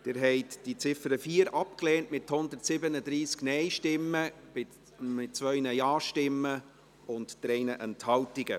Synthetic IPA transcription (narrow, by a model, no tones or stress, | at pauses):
d̥ɪɾɦɛɪtd̥it͡sɪfəɾəfiːəɾʔɑp̚kleːntmɪthʊnd̪ərtsɪbənədɾiːsknɛjʃtɪmːə̥ | ɪ | mɪtt͡sʋœɥnəjɑːʃtɪmːə | ʊntd̥ɾɛjnəʔɛnthɑltɪɡə